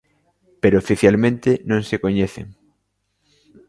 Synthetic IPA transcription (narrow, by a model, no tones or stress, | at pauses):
peɾoofiθjalmẽnt̪ɪnõŋsekoɲeθḛŋ